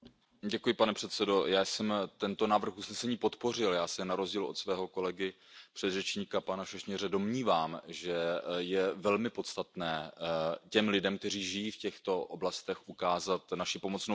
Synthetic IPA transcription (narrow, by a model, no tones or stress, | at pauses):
ɟɛkujɪpanɛpr̥ɛt̪sɛdo̞jaːsɛmt̪ɛnt̪o̞naːvr̩xusnɛsɛɲiːpo̞t̪po̞rɪljaːsɛnaɾozɟiːlo̞̰t̪svɛːɦo̞ko̞lɛɡɪ | pr̝̥ɛd̪rɛt͡ʃɲiːkapanaʃɛʃɲɛrɛdo̞mɲiːvaːmʒɛjɛvɛlmɪpo̞t̪st̪at̪nɛːcɛmlɪdɛmk̚t̪ɛr̝iːʒɪjiːfcɛxt̪o̞ʔoblast̪ɛxʔukaːzat̪naʃɪpo̞mo̞t͡sno